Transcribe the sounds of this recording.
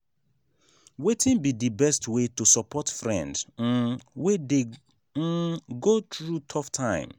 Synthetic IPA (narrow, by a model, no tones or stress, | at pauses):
wetĩnbidibɛstwetusɔpʰɔtfɹɛ̰̃nd̩ | wede | ɡotɹutʰɔftʰãɪ̃m